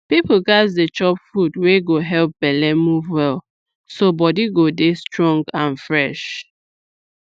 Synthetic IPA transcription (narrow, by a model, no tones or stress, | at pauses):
pipoɡazdet͡ʃɔpfudweɡoɦɛlp̚b̥ɛlɛmuvwɛl | sobɔdiɡodestɹɔ̃ŋɡãnfɹɛʃ